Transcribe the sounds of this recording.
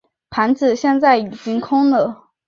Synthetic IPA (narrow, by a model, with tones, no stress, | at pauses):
pʰa˧˥nt͡sɹ̩˨˩ɕjɛ˥˧nt͡sa˥˩ɪi˨˩t͡ɕi˥ŋkʰʊ˥ŋlə˨˩